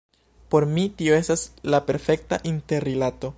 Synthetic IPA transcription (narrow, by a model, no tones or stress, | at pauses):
po̞ɾmitio̞e̞staslape̞ɾfe̞k̚ta̰ʔinteɾːilato̞